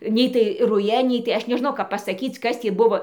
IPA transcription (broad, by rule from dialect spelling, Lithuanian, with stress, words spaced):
ˈnʲɛɪ tɐɪ ˈrʊjɛ ˈnʲɛɪ tɐɪ ˈɐʃ nʲɛˈʒnɐʊ kɐp ˌpɑːsɐˈkʲiːt͡s ˈkɐs tʲiː ˈbʊʋoː